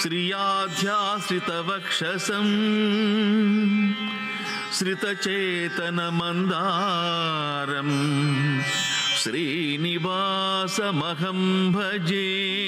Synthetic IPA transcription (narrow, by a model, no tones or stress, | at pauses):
ʃɾijaːd̪ʱjaːʃɾit̪ɐʋɐkʂɐsɐm | ʃɾit̪ɐt͡ʃeːt̪ɐnɐmɐnd̪aː | ɾɐm | ʃɾiː | niʋaː | sɐmɐɦɐmbʱɐd͡ʒeː